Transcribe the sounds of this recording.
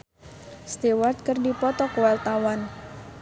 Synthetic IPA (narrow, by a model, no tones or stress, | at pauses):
st̪ewart̪̚kɨrdipɔt̪ɔkəwart̪awan